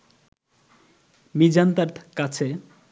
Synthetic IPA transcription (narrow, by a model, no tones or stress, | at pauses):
mid͡ʑant̪aɾkat͡sʰe